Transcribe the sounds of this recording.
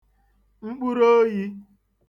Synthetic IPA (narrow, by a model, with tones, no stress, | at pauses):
ŋ͡m̩˦k͡pu˦ɾo˦ji˦